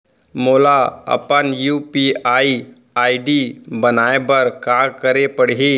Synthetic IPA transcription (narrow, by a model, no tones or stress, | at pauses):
moːlaɐ̰pənjuːpiaːi | aːiɖibənaːebəɾkaːɾkəɾepəɽɦi